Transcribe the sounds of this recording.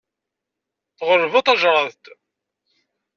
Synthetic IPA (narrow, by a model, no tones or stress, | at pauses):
θʁəɾːvɑt̪ˤɑʒɾˤɑðt̪